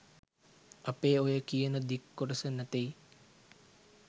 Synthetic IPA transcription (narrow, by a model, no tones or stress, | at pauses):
ɐpeːojəkijənəd̪ikːoʈəsənæt̪ej